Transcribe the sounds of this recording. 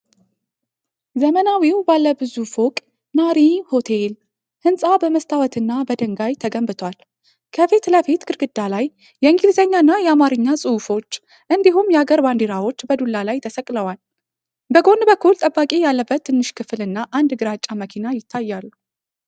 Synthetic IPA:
zəmənawiwbalːəbɨzufokʼ | naɾiho̞t̪ʰel | hɨnsʼabəməst̪ʰawət̪ɨnːabəd̪əŋɡajt̪ʰəɡəmbɨt̪ʰwal | kʰəfit̪ləfit̪ɡʰɨɾɡɨd̪ːalajː | ɛɨŋɡilzəɲːaɨnːajɛamaɾɨɲːasʼɨufo̞t͡ʃː | ʔɨnd̪iɦumjɛaɡəɾband̪iɾawo̞t͡ʃːbəd̪ulːalajt̪ʰəsəkʼləwal | bəɡo̞nbəkʰːult̪ʼəbːakʼijalːəbːət̪ʰːɨnːɨʃkʰɨflɨnːaʔand̪ɡɨɾat͡ʃʼːaməkʰinajɪt̪ʰːajːalːu

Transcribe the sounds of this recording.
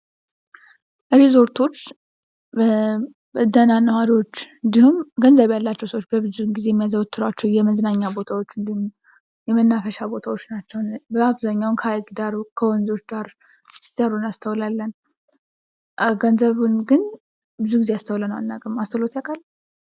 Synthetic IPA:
ɾezo̞ɾt̪ʰo̞t͡ʃː | bəd̪ənanːəwaɾiwot͡ʃːɨnd̪ihumɡənzəβjalːat͡ʃːɛwsəwot͡ʃːbəbɨzunɡizejɛmːijazəwɔt̪ʰːɨɾwat͡ʃːɛwjɛməznaɲːabo̞t̪ʰawot͡ʃːɨnd̪ihum | jɛmənːafəʃabo̞t̪ʰawo̞t͡ʃːnat͡ʃːɛwnbəaβzaɲːawnkʰəajɡd̪aɾukʰəwɔnzo̞t͡ʃd̪aɾ | sɨ̥səɾunast̪ʰəwlalːən | ɡənzəβunɡɨn | bɨzuɡizeast̪ʰəwlənəwa̰nːa̰ɡʼəmast̪ʰəlot̪jakʼal

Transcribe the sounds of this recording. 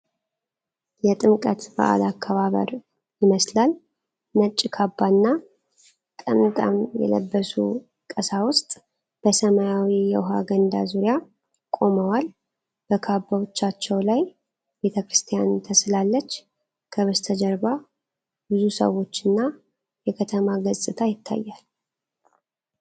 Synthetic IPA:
jɛt̪ʼɨmkʼət̪bə̰ʔa̰lakʰːaβaβə̰ɾ | jɪməslal | nət͡ʃʼːɪkʰabːanːa | t̪ʼəmt̪ʼa̰mjɛ̰lə̰bːəsṵ | kʼəsawʊst̪ʼ | b̥əsəmajawijɛwʊɦa̰ɡənd̪a̰zuɾija | kʼo̞məwal | b̥əkʰabːawot͡ʃːat͡ʃːɛwlaj | be̞t̪ʰəkɾɨst̪ʰijant̪ʰəslalːət͡ʃː | kʰəβəst̪ʰəd͡ʒəɾba | bɨzusə̰wo̞t͡ʃːɨnːa | jɛkʰət̪ʰəmaɡəzʼɨt̪ʰajɪt̪ʰːa̰jːal

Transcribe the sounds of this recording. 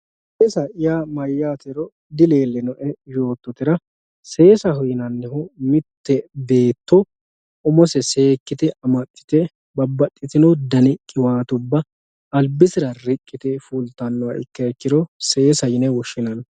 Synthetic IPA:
ɛsɐʔɪjaːmɐjːaːt̪ɛɾɔ | d̪ɪleːlːɛnɔʔɛjo̞ːt̪ːɔt̪ɪɾɐ | se̞ːsɐɦʊjɪnɐnːɛhʊmɪt̪ːɛbe̞ːt̪ːɔ | ʊmɔsɛse̞ːkːɪt̪ɛʔɐmɐt̪ʼːɪ̥t̪ɛ | bɐbːɐt̪ʼːɪt̪ɪnɔd̪ɐnɪkʼːɪwaːt̪ʊbːɐ | ɐlbɪsɪɾɐrɪkʼːɪt̪ɛfuːlt̪ɐnːɔwɐɪ̰kːɐɛkːɪɾɔse̞ːsɐjɪnɛwɔʃːɪnɐn

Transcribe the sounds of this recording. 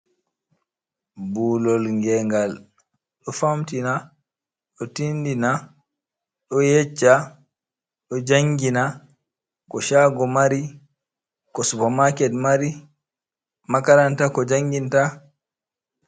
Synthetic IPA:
buːlɔlŋɡɛŋɡal | ɗɔfamtina | ɗɔtindina | ɗɔjɛt͡ʃːa | ɗɔd͡ʒaŋɡina | kɔʃaɡɔmaɾi | kɔsupamakɛdmaɾi | makaɾantakɔd͡ʒaŋɡinta

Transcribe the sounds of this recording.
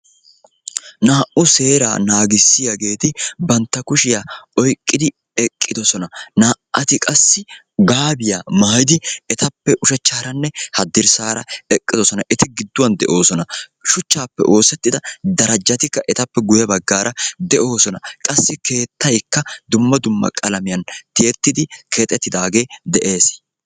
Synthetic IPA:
naːʔʊse̞ːɾa̰ːnaːɡɪsːɪjɐɡe̞ːt̪ɪbɐnt̪ːɐkʊʃɪjaɔjkʼːɪd̪ɪ | ɛkʼːɪd̪ɔsɔnɐnaːʔɐt̪ɪkʼɐsːɪ | ɡaːbɪja̰mɐːjɪd̪ɪɛt̪ɐpːɛʔʊʃɛt͡ʃːaːɾɐnːɛhɐd̪ɪɾsaːɾɐɛkʼːɪd̪ɔsɔnɐʔɛt̪ɪɡɪd̪ːʊwɐnd̪ɛʔo̞ːsɔnɐʃʊt͡ʃːaːpːɛ̰ʔo̞ːsɛt̪ːɪd̪ɐd̪ɐɾɐd͡ʒːɐt̪ɪkːɐʔɛt̪ɐpːɛɡʊjɐbɐɡːaːɾʔɐd̪ɛʔo̞ːsɔnɐkʼɐsːɪke̞ːt̪ːɐjkːɐd̪ʊmːɐd̪ʊmːɐ̰kʼɐlɐmɪjɐnt̪ɪjɛt̪ːɪd̪ɪke̞ːt̪ʼːɛt̪ːɪd̪aːɡe̞ːd̪ɛʔe̞ːs

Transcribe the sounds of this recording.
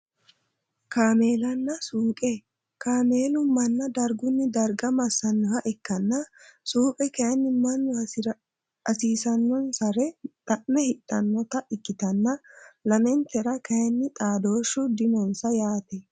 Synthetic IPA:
kaːmeːlɐnːɐsuːkʼɛ | kaːmeːlʊmɐnːɐd̪ɐɾɡʊnːɪd̪ɐɾɡɐmɐsːɐnːʊhɐʔɪkːɐnːɐsuːpʼɛkɐjɐnːɪmɐnːʊ | ɐsiːsɐnːɔnsɐɾɛt̪ʼɐʔnːɛhɪt̪ʼːɐnːɔt̪ɐʔɪkːɪt̪ɐnːɐlɐmɛnt̪ɛɾɐkɐjɐnːɪt̪ʼaːd̪oːʃːʊd̪ɪmɔnsɐjaːt̪ɛ

